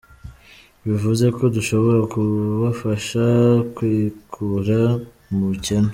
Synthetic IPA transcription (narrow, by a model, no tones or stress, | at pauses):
βivuze̞ko̞duʃo̞βo̞ɾakuβafaʃakwiːkʰuɾa | mucenu